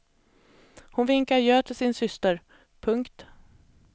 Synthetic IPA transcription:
hʊnvɪŋkaɾjøːt̪ʰɪlsɪnsʏst̪əɾ | pʰɵŋkt̪

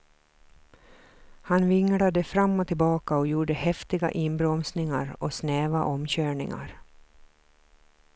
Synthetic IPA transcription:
hanvɪŋːɽad̪əfɾamːɔt̪ʰɪlbɑːkaɔjuːɖəhɛft̪ɪɡa̰ʔɪnbɾɔmsnɪŋaɾɔsneːvaʔɔmɕøːɳɪ̰ŋa̰ɾ

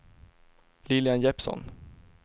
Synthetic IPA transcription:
lɪlɪanjɛpsɔ̰n

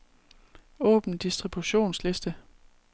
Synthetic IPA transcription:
ɔ̰̽ːb̥n̩d̥isd̥ʁib̥uɕo̝̰ːnsle̝sd̥ə

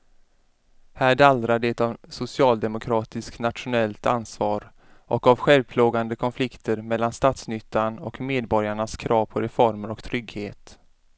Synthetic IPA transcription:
hæːɖald̪ɾaɖɛt̪avsʊsɪɑːld̪ɛmʊkʰɾɑːt̪ɪsknat̪ɧʊnɛlt̪a̰nsvɑːɾ | ʔɔkavɧɛlvpʰloːɡand̪əkʰɔnflɪkt̪ʰəɾmɛlːanst̪ɑːt̪snʏt̪ːanɔkmeːd̪bɔɾjaɳaskʰɾɑːvpʰɔɾɛfɔɾməɾɔkt̪ʰɾʏɡheːt̪

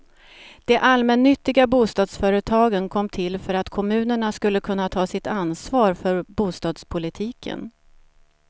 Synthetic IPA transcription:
d̪̥ɛʔalmɛnːʏt̪ːɪɡabuːst̪ɑːd̪sfœːɾət̪ʰɑːɡənkʰɔmːt̪ʰɪlfœɾat̪kʰɔmʉ̟ːnəɳaskɵlːəkʰɵnːat̪ʰɑːsɪt̪ansvɑːɾfœɾbuːst̪ɑːd̪spʰʊlɪt̪ʰiːkʰə̰n

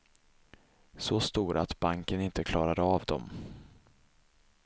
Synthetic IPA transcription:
sɔst̪uːɾat̪baŋkənɪnt̪əkʰlɑːɾad̪əavd̪ɔ̰m

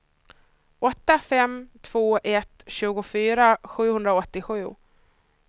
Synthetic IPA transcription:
ʔɔt̪ːafɛmt̪ʰv̥oːʔɛt̪ɕʉ̟ːɡʊfyːɾaɧʉ̟ːhɵnd̪ɾaɔt̪ːɪɧʉ̟ː

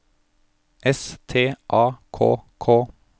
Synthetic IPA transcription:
ʔɛst̪ʰeːʔɑːkʰo̰ːkʰoː

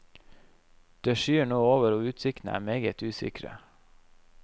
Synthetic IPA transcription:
d̪̥eːʃyːɳoːoːʋəɾoːʉːt̪sɪkt̪n̩əæ̰ːmeːɡət̪ʉːsɪ̰kɾə̰

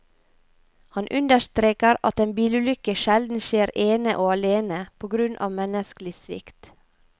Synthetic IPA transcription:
hɑnʔʉnd̪əʃt̪ɾeːkəɾɑ̰t̪eːnbiːlʉlʏkəʃɛld̪n̩ʃeːɾeːnəʔoːɑleːnəpʰoːɡɾʉnʔɑ̰ːmɛnəsklɪsʋɪ̰kt̪

